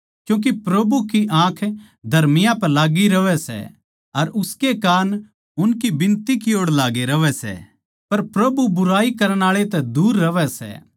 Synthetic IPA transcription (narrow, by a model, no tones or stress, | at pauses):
kjũːk̬ipɾɐbukiʔãːkʰ | d̪ʱɐɾmɪjãpɐɾlaːɡiɾɐʋɛsɛ̰ | ɐɾʊskekaːn | ʊnkibɪ̃nt̪ikɪjoːɽlaːɡeɾɐʋɛsɛ̰ | pɐɾpɾɐbubʊɾaːikɐɾəñaːɭet̪ɛ̃d̪uːɾːɐʋɛsɛ̰